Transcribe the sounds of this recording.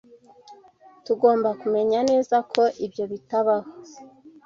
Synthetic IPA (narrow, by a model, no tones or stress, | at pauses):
tuɡo̞ːmbakume̞ɲane̞ːzakʰo̞ʔibjo̞βitaβaha